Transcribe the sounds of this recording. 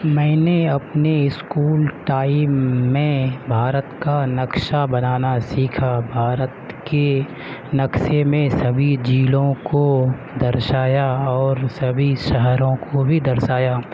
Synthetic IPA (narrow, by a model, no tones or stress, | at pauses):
mɛ̃ːneɐpneɪskuːlʈaːimːẽbʱaːɾət̪kanɐkʃabɐnaːnasiːkʰabʱaːɾət̪ | ke | nɐkʃemẽsɐbʱid͡ʒiːlõko | d̪ɐɾʃaːjaɔːɾsɐbʱiʃəɦɛɾõkobʱid̪ɐɾʃaːjaː